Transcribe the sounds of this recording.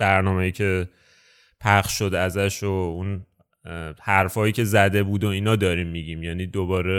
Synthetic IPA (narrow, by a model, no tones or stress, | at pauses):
bæɾnɒːmejiːcʰe̞ | pʰæχʃʃo̞d̪æzæʃoun | hæɾfɒːjiːcʰe̞zæd̪e̞buːd̪oiːnɒːd̪ɒːɾiːmːiɟiːmjæniːd̪obɒːɾe